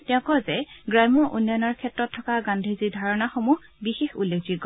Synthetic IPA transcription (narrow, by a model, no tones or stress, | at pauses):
tɛʊ̃kɔzɛɡɹamɔʔunːɔjɔnɔɹkʰɛtɹɔtʰːɔkaɡãndʱizidʱaɹɔnaxomuɦ | bixexulːekʰziɡɔ